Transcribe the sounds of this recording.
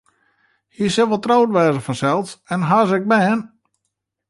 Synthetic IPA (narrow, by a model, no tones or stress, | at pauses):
hiəsɪlʋɔlˠtrowtʋɛːzəfɔnsɛlˠsɛnɦaːzɛk̚bɛːn